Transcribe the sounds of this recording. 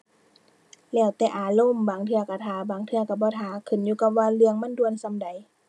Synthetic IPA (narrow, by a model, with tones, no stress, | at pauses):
lɛː˧˩wt̪ɛː˨˧ʔaː˨˦lo˧˥˨mbaː˨˦ŋt̪ʰɯ˧ɐka˧˩t̪ʰaː˨˦baː˨˦ŋt̪ʰɯ˧˨ka˧˩bɔː˧˦t̪ʰaː˨˦kʰɯ˧˩˨njuː˧ka˧p̚waː˧lɯ˧əŋma˧˥˨ndu˧ə˨nsa˧˥˨mda˨˦j